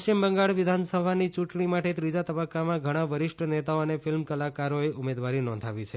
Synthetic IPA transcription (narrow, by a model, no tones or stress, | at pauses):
t͡ʃimbəŋɡaɭʋɪd̪ʱansəbʱanit͡ʃũʈɳimaʈet̪ɾid͡ʒat̪əbəkːamãɡʱəɽ̃aʋəɾɪʃʈʰənet̪aoənefɪlmkəlakaɾoeʔʊmed̪ʋaɾinɔ̃nd̪ʱaʋit͡ʃʰe